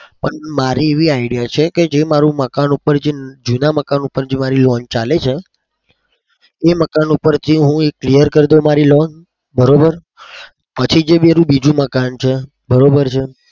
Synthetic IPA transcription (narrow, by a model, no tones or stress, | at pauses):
pəɳmaɾieʋiaiɽijat͡ʃʰeked͡ʒemaɾũməkanupəɾd͡ʒed͡ʒunaməkanupəɾd͡ʒemaɾilɔnt͡ʃalet͡ʃʰe | eməkanupəɾt̪ʰiɦũeklijəɾkəɾd̪omaɾilɔn | bəɾobəɾ | pət͡ʃʰid͡ʒebeɾũbid͡ʒũməkant͡ʃʰe | bəɾobəɾt͡ʃʰe